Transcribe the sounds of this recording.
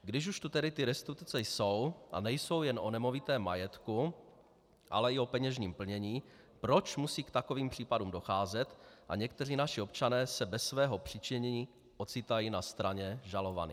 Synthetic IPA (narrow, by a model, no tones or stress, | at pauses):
ɡdɪʃuʃt̪ut̪ɛdɪt̪ɪɾɛst̪ut̪t͡sɛjso̞wʔa̰nɛjso̞wjɛnʔo̞nɛmo̞vɪt̪ɛːmːa̰jɛt̪ku | ʔa̰lɛɪo̞pɛɲɛʒɲiːmpl̩ɲɛɲiː | pɾo̞t͡ʃmusiːkt̪ako̞viːmpr̝̥iːpadumdo̞xaːzɛt̪ʔa̰ɲɛkt̪ɛriːnaʃɪo̞pt͡ʃanɛːsɛbɛsvɛːɦo̞pr̝̥ɪt͡ʃɪɲɛɲiː | ʔot͡sɪt̪ajiːnast̪ɾaɲɛʒalo̞va̰nḭː